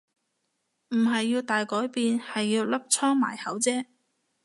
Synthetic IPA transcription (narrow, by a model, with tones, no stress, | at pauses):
m̩˨˩ɦɐ˨jːiː˧wt̪aː˨jkɔː˨˥jpiː˨nhɐ˨jːiː˧wlɐ˥p̚t͡sʰɔː˥ŋma̰ː˨˩jhɐ˨˥wt͡sɛː˥